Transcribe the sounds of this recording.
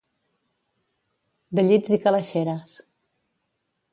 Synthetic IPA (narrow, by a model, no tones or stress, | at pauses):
d̪əʎid͡zikaləʃeɾəs